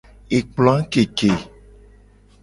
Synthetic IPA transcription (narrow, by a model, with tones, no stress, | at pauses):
e˨k͡plɔ̃˨˦ã˦ke˨ke˨